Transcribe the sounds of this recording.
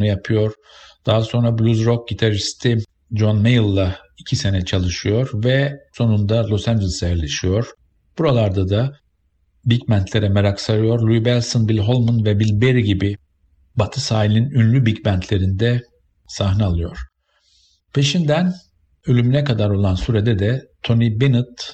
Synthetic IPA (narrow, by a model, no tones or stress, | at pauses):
nujapʰɯjo̞ɾ̥ | d̪̥aɦaso̞nɾablʲuzɾok̚ɟit̪ʰaɾist̪ʰi | d͡ʒo̞nmejilˠːa | icʰise̞nɛt͡ʃʰalˠɯʃɯjo̞ɾvɛso̞nund̪alˠo̞sænd͡ʒelʲˠisajɛɾlʲeʃijo̞ɾ̥ | b̥uɾalˠaɾd̪ad̪a | bicmænt̪lʲe̞ɾɛmeɾaksaɾɯjo̞ɾlʲuibɛlʲsonbilʲɦo̞lˠmunvɛbilʲbeɾiɟibi | bat̪ʰɯsaːilʲninynlʲybicbænt̪ʰlʲe̞ɾind̪ɛ | saɦnaalˠɯjo̞ɾ̥ | pʰe̞ʃind̪æn | ølʲymynɛkad̪aɾo̞lˠansuɾed̪ɛd̪ɛt̪ʰo̞nibenɯt̪